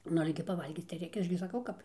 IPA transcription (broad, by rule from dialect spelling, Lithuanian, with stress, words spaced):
ˈnʊ ˈɑːlʲɛ ɡʲɪ pɐˈʋɐlʲɡʲiːt͡s tɐɪ ˈrʲɛɪkʲɛ ˈɐʃ ɡʲɪ sɐˈkɐʊ ˈkɐp